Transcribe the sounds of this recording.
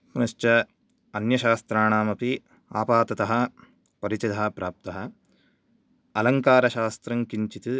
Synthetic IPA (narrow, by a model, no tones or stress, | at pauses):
nɐʃt͡ʃɐ | ɐnjɐʃaːst̪ɾaːɳaːmɐpi | aːpaːt̪ɐt̪ɐɦɐ | pɐɾit͡ʃɐd̪ʱɐɐpɾaːp̚t̪ɐɦɐ | ɐlɐŋkaːɾɐʃaːst̪ɾɐŋkiɲt͡ʃit̪ɨ